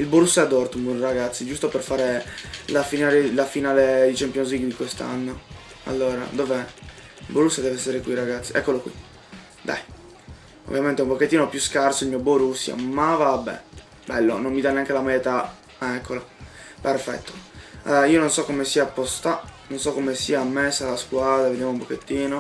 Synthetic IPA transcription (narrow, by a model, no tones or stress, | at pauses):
ilboɾusːaɛad̪ort̪umbonraɡat̪sːid͡ʒust̪operfaːɾelafinaːlelafinaːled̪it͡ʃɛmpjonzliɡd̪ikwest̪a̰nːo | a̰lːoːɾa̰d̪oːve | ilboɾusːjad̪ɛveɛsːeɾekwiraɡat̪sːiʔɛkːolokwḭ | d̪a̰j | o̰vːjament̪ɛumpoket̪ːinopjuskarsoilmiːoboɾusːja̰mavabːɛ̰ | bɛlːonomːid̪anːeaŋkelamajet̪a | ɛkːoloperfɛ̰t̪ːo̥iːononsɔkːomesiapːost̪anonsɔkːomesiaːmːesalaskwaːd̪ɾaved̪jamoumpok̟et̪ːiːno